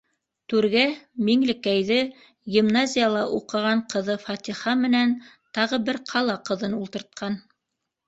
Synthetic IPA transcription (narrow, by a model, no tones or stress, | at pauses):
t̪ʉɾɡæmiŋlɘ̆kæjðɘ | ɡʲimnazʲijəlˠɑʔuqɤ̆ʁɑɴqɤ̆ðɤfɑt̪ʲiχɑmɘ̆næn | t̪ɑʁɤbɘɾqʰɑlˠɑqɤ̆ðɤnulˠt̪ɤ̆ɾt̪̚qʰɑn